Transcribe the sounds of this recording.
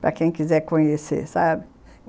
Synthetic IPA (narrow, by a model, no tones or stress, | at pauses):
pɾɐ̰kẽj̃kizɛɾkõɲesḛsabɪ